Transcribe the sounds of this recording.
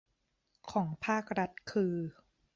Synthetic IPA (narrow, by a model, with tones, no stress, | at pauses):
kʰɔː˩˦ŋpʰaː˥˩k̚ɾa˦˥t̪̚kʰɯː˧